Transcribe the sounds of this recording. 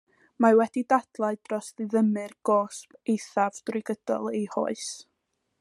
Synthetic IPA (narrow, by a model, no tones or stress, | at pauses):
mawɛdidad̥lˠaɨd̥rɔsðɨðəmɨrɡ̥ɔːspejθavdrɪɡəd̥ɔ̰lˠehɔ̰ɨs